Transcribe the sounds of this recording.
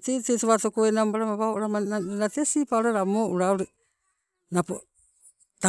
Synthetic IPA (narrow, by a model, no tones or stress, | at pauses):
tetesoβatokoenambaɾamaβaoʔuɾamaaɾatesipaoɾaɾamoʔuɾaɾe | napo | ta